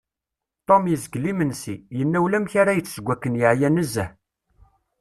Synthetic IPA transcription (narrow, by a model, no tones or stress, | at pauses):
t̪ˤomjəzɡlimənsijənːæwlæmçaɾæjət͡sːsəɡʷːækːənjəʕjænəzːæ